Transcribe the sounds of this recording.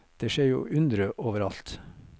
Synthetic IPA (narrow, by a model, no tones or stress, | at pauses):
d̪̥eːʃeːɾjṵːʔʉnd̪ɾəʔoːʋəɾɑlt̪